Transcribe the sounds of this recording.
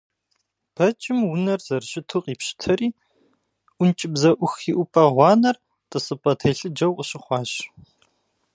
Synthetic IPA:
b̥ɐt͡ʃʼɪmwʊnɐrzɐrɕʼɪtʰuqiːpʃɪ̥tʰɐɾiː | ʔʷʊnt͡ʃʼɪbzɐʔʷʊxiːʔʷʊpʼɐʁʷɑːnɐr | tʼɨsɨpʼɐtʰɐːɬɨd͡ʒɐwqʼəɕɪχʷɑːɕ

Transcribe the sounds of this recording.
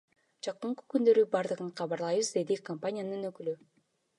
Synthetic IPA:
d͡ʒɑqɯɴqɯ̥kynd̪ø̞ɾybɑɾd̪ɯʁɯɴqʰɑβɑɾlˠɑjβɯzd̪e̞d̪ikompanʲijanɯnø̞kyly

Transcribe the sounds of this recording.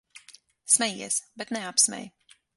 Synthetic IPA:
smʲɛjiɛsbɛt̪nɛapsmʲɛ̰j

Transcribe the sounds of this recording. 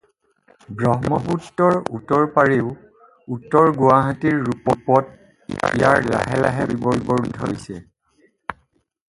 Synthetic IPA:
bɹɔɦmɔputːɔɹutːɔɹpaɹiʊ | utːɔɹɡuwaɦatiɹːupɔpɔt̚ | ijaɹla̰ɦɛla̰ɦɛbibɔɹibɔɹudʱo̰jsɛ

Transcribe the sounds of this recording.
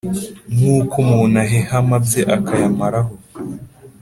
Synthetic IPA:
ŋuːkumuːnaɦehamabzeʔakʰajamaɾaɦo

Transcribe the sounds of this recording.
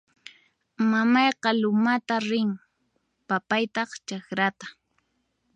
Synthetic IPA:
mamɑjqɑlʊmat̪aɾɪŋ | papajt̪ɑχt͡ʃakɾat̪ḁ

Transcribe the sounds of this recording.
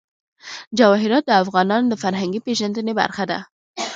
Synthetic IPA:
d͡ʒawɑɦɪɾɑt̪̚d̪əafɣɑnɑnod̪əfaɾɦaŋɡipeʒand̪əneba̰ɾxad̪a̰

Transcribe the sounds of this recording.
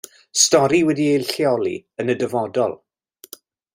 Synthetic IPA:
stɔɾiwɛdiejlˠɬjɔlˠḭənədəvɔdɔ̰lˠ

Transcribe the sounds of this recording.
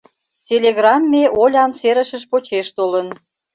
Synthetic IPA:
t͡sʲelʲeɣrɑmːeʔolʲɑnseɾə̆ʃəʃpot͡ɕeʃt̪olən

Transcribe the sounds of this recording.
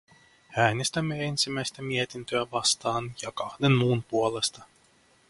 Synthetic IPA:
æːnʲist̪amʲɛenʲt̪sʲimʲæjsʲt̪amʲiɛt̪ʲint̪yɛvast̪ɑːnjakɑxd̪enmuːnpuɔlˠest̪a

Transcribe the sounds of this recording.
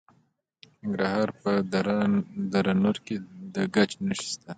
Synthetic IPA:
nɪŋɡɾahɑɾpə | d̪aɾanoɾked̪əɡat͡ʃnəʃi̥st̪a

